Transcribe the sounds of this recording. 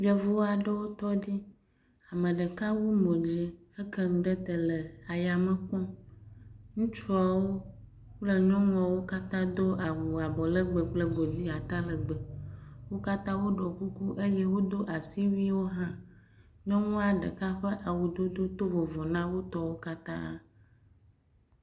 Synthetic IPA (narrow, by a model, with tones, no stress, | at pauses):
d͡ʒɛ˦vu˦wa˨ɖe˦wo˦t̪ɔ˦di˦ | a˨mə̃˨ɖə˨ka˦wu˦mõ˨d͡ʑi˦ | e˦kɛ˦ŋ̩̃˨ɖə˦t̪ə˨lə˨a˨ja˨mə˨kɔ̃˦ | ŋũ˦t͡ʃa˨wo˦ | lə˨ɲɔ̃˦ŋũ˦a˨wo˦ka˦t̪ã˦d̪o˦ʔa˨wu˨a˨bɔ˨lə˦ɡ͡bə˨ɡ͡blə˦ɡ͡bo˨d͡ʑi˦a˨t̪a˦lə˨ɡ͡bə˨wo˦ka˦t̪ã˦wo˦ɖɔ˨ku˦ku˦ʔe˦je˦wo˦d̪o˦ʔa˨si˦vi˦wo˦ɦã˦ | ɲɔ̃˦ŋũ˦a˨ɖə̰˨ka˦ɸə˦ʔa˨wu˨d̪o˦d̪o˦t̪o˦vɔ˨vɔ˨nã˦wo˦t̪ɔ˦wo˦ka˦t̪ã˦